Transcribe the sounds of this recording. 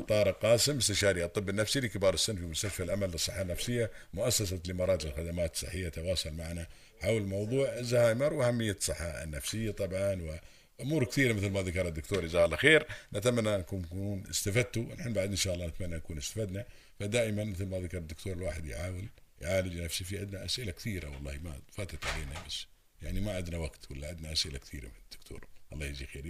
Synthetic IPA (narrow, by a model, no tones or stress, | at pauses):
t̪ˤːɑːɾˤɪqɑːsɪmːʊst̪aʃaːɾiɑt̪ˤːɨbːɪnːafsilikɪbɑːɾˤɪsːɪnːfimʊst̪aʃfalʔamalːɨsˤɨħːanːafsɪjːamʊʔasːasat̪lɪmɑɾˤɑːt̪ɪlxad̪amaːt̪sˤːɨ̰ħːɪjːat̪awɑːsʊlmaʕna | ħawlmɑwðˤuːʕzːahaːjmɑɾˤwʔahamːɪjːasˤɨħːɑ̰nːafsɪjːat̪ˤɑbʕɑnwɪ | ʔʊmuːɾkθiːɾamɪθlmaðakɑɾˤad̪ːʊkt̪uːɾɪzaːlʔaxeːɾnɪt̪amanːanakuːnːkːnʔɪ̰st̪afad̪̚t̪uʔɪnħɪnbaʕd̪ʔɪnʃaːʔɑlːɑːnɪt̪manːanakuːnɪst̪ḁfad̪na | fad̪aːʔɪmanmɪθlmaðakɑɾˤɪd̪ːʊkt̪uːɾɪlwaːħɪd̪jʕaːwɪljʕaːlɪd͡ʒnafsifiʕɪd̪naʔasʔɪlakθiːɾa̰wɑlˤːɑːhma̰fat̪at̪ʕaleːnabas | jaʕnimaʕɪd̪nawaɡt̪walːaʕɪd̪naʔasʔɪla̰kθiːɾa̰mɪnɪd̪̥ːʊkt̪ʰṵːɾˤwɑlˤːɑːhjzixeːɾi